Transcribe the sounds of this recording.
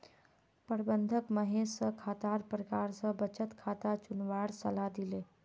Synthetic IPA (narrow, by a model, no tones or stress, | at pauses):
pəɾbənd̪ʱəkməɦesəkʰat̪aɾpɾəkaɾsə̃bət͡ʃət̪kʰat̪at͡ʃunʋaɽsəlad̪ile